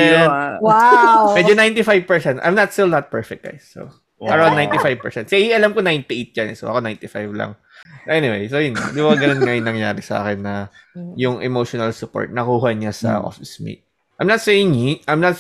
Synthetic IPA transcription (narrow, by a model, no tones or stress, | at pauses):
ɛwamɛd͡ʒonaj̃nt̪ɪfajvpɛɹsɛnt̪ʔa̰jmnɐt̪st̪ɪlnɐt̪̚pɛɹfɛk̚ɡa̰jsːo̰ | ʔɐɹawnːãjnt̪ifajv̥̚pɛɹsɛnsɛhiʔɐlamkonajnt̪ɪʔejt̪̚d͡ʒɐnɛ̰so̰ʔɐ̰konajnt̪ɪfajvlɐ̰ŋ | ʔɛnɪwḛjsojʊnːɐ̰nd̪ibɐɐɡɐnonŋajʊŋnɐŋjaːɾɪsɐʔa̰ːkɪnːɐ | jʊŋʔɛmoʃɔnɐlsʊpo̰ɹt̪̚nɐkuːɦɐɲasɐ̰ʔo̰fɪsmḭt̪̚ | ajmnɐt̪sɛjɪŋiʔajmnɐt̪